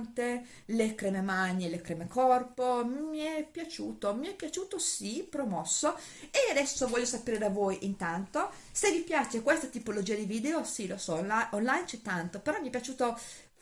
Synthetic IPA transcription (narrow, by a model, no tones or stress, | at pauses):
nt̪e | lekɾeːmemaɲːelekɾeːmekɔrpomiɛpːjat͡ʃuːt̪omiɛpːjat͡ʃuːt̪osipɾomɔsːo | ead̪ɛsːovɔʎːosapeːɾed̪avoːjʔint̪ant̪o | sevipjaːt͡ʃekwest̪at̪ipolod͡ʒiːad̪iviːd̪eosilosɔaonlajnt͡ʃɛt̪ːant̪opeɾɔmːiɛpːjat͡ʃuːt̪o